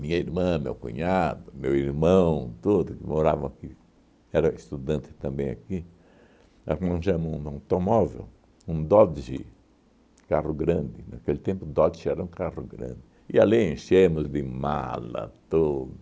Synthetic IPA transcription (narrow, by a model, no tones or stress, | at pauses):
mĩɲɐiɾmɐ̃mḛwkṵ̃ɲad̪ʊmewiɾmɐ̃w̃t̪od̪ʊkɪmoɾavɐ̃w̃aki | ɛɾɐist̪ud̪ɐ̃nt̪ɪ̥t̪ɐ̃mbẽj̃a̰ki | aknɐ̃ʃɐ̃mõd̪ãt̪omɔvḛw | ũd̪ɔd̪ʒḭ | karʊɡɾɐ̃nd̪ɪnakelɪt̪ẽmpʊd̪ɔd̪ʃɛɾɐũkarʊɡɾɐ̰̃nd̪ɪ | ɪaliẽʃemʊzd̪ɪma̰lɐ̰t̪od̪ʊ